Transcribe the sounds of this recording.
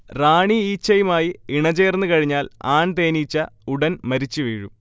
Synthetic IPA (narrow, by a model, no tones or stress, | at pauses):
raːɳiiːt͡ɕːɐjumaːjiiɳɐt͡ɕe̞ːrnːɨkɐɻiɲːaːlaːɳt̪e̞ːnit͡ɕːɐuɽɐnmɐɾit͡ɕːɨʋeːɻum